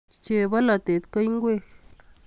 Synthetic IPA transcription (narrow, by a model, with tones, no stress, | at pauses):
t͡ʃe˧ba˦la˨t̪e˨t̪ka˦jŋɡwe˦x